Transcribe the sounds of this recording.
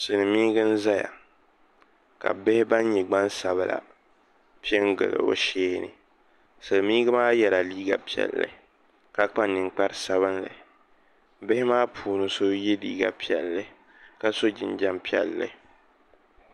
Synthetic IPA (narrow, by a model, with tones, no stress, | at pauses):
sɨ˨nɨ˨miː˦ɡɨ˦n̩˦za˦ja̰˨ | ka̰˨bɪ˦hɪ˦ba˦n˦ɲɛ˨ɡ͡ba˦nsa˨βɨ˨la̰˨ | pi˦ɛ˦ŋɡɨ̰˨lɨ̰˨o̰˦ʃeː˦nɨ̰˨ | sɨ˨lmiː˦ɡa˦maː˦jɛ˨la˨liː˦ɡa̰˨pi˦ɛ̰˨lːɨ̰˨ | ka˨k͡pa˦nɨ˨ŋk͡pa˦ɾsa˦βɨ˦nlɨ˨ | bɪ˦hɪ˦maː˦pʰuː˨nɨ˦so˦je˦lḭː˦ɡa̰˨pi˦ɛ˨lːɨ˦ | ka˦so˦d͡ʒɪ˨nd͡ʒa˦mpi˦ɛ̰˨lːɨ̰˦